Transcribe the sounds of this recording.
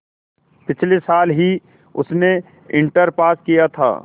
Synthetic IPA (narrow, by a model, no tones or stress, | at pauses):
pɪt͡ʃʰlesaːlɦi | ʊ̰sne | ɪ̃ɳʈəɾpaːskijat̪ʰa̰ː